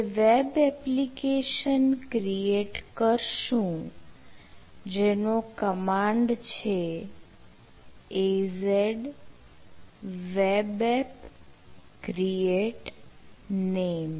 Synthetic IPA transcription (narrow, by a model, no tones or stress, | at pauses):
eʋebɛplikeʃənkɾieʈkəɾʃũ | d͡ʒenokəmãɳɖt͡ʃʰe | ezeɖ | ʋebɛp | kɾieʈ | nem